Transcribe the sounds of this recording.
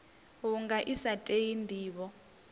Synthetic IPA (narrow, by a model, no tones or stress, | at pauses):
wuŋɡaʔisatʼejindʱiːɓɔ